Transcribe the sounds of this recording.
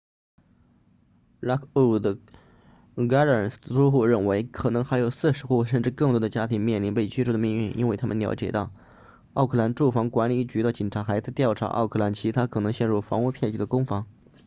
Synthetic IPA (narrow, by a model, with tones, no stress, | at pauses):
ɻa˥kʰu˥˩d̪ə˧ | ɡa˥ə˨˩su˥xu˥˧ɻə˥˩nwe˧˥ɪkʰɤ˨˩nɤ˧˥ŋxa˧˥ɪjo˨˩ʊsɹ̩˥˩ʂɻ̩˧˥xu˥˩ʂ̬ə˥˧nʈ͡ʂɻ̩˥˧kɤ˥˩ŋt̪wɔ˥d̪ə˧t͡ɕja˥t̪ʰi˧˥ŋmjɛ˥˩nli˧˥npe˥˩ɪt͡ɕʰʈ͡ʂʰd̪ə˧mi˥˧ŋy˥˩nʔi˥nwe˥˩ɪt̪ʰa˥mə˨nljɑ̰˧˥ʊt͡ɕjɛ̰˨˩t̪ɑ˥˩ʊ | ɑ˥˧ʊkʰɤ˥˩la˧˥nʈ͡ʂu˥˩fɑ˧˥ŋkwa˧˥nli˨˥˩t͡ɕy˧˥d̪ə˥˩t͡ɕi˨˩ŋʈ͡ʂʰa˧˥xa˧˥ɪt͡sa˥˧ɪt̪jɑ˥˩ʊʈ͡ʂʰa̰˧˥ʔɑ̰˥˧ʊkʰɤ˥˩la˧˥nt͡ɕʰi˧˥t̪ʰa˥kʰɤ˨˩nɤ˧˥ŋɕjɛ˥˧nɻu˥˩fɑ˧˥ŋu˥˧˥pʰjɛ˥˧nt͡ɕy˧˥d̪ə˧kʊ˥ŋfɑ˧˥ŋ